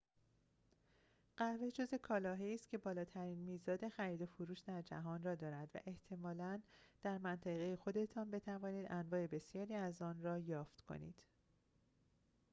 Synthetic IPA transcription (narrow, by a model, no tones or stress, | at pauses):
ɢ̥æved͡ʒo̞ze̞kʰɒːlɒːɦeiːst̪̚cʰʲe̞bɒːlɒːt̪ʰæɾiːnmiːzɒːd̪e̞xæɾiːd̪o̞foɾuːʃd̪æɾd͡ʒæ̰ɦɒːnrɒːd̪ɒːɾæd̪væ̰ʔe̞ht̪ʰe̞mɒːlænd̪̥æɾmænt̪ʰæɣe̞jexo̞d̪e̞t̪ʰɒːnbe̞t̪ʰævɒːniːd̪ʔænvɒːe̞be̞sjɒːɾiːæzɒːnrɒːjɒːft̪kʰo̞̰nḭːd̪̥